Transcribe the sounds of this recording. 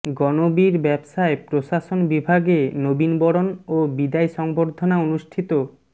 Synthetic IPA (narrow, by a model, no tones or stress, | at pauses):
ɡɔnobiɾbɛbʃaepɾoʃaʃonbibʱaɡenobinbɔɽonobid̪ajʃɔŋboɾd̪ʱonaonuʃʈʰit̪o